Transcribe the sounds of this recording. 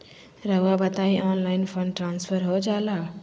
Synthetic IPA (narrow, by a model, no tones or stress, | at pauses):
ɾəɦuabət̪aiʔɔnlaɪnpʰənʈɾanspʰəɾɦod͡ʒala